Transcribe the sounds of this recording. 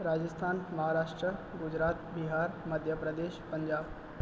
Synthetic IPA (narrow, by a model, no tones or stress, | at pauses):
ɾad͡ʒəst̪ʰaːnmɐɦaɾaːʂʈɾəɡʊd͡ʑɾaːt̪biɦaːɾməd̪ʱjəpɾəd̪eːʃpəɲd͡ʒaːb